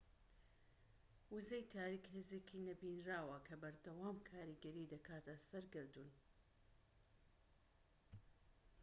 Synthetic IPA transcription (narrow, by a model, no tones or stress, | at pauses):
wuzejt̪ʰaːɾikheːzeːkʰinɐbinraːwɐkʰɐbɐɾd̪ɐwaːmkʰaːɾiɡɐɾid̪ɐkʰaːt̪ʰɐsɐɾɡɨɾd̪uːn